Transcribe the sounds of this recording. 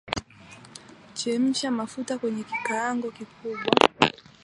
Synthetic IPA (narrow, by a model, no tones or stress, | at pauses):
t͡ʃɛm̩ʃamafutakwɛɲɛkikaːŋɡɔkikuɓwa